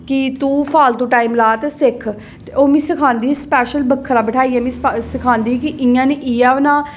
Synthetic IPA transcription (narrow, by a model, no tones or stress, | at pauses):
kit̪ũːpʰaːlt̪ũːʈaːiːmlaːt̪esɪkʰ | oːmĩːsɪkʰãːnd̪iːspɛːʃəlbəkʰːɾaːbəʈʰaːiːaːmĩːssɪkʰãːnd̪iːkiʔɪjãːneʔijaːʋnãː